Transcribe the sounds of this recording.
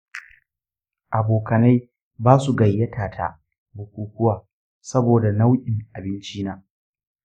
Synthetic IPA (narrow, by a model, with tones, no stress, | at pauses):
ʔa˨boː˨kɐ˨na˦j | baː˦su˨ɡɐ˨jːɐ˦tʰaː˨tʰa̰˦˨ | bʊ˨kʷuː˨kʷʊ˦waː˨ | sɐ˦boː˨da˨na˦wʔʲʼɪ˨ŋʔa˨bɪ˦nt͡ʃi˦naː˦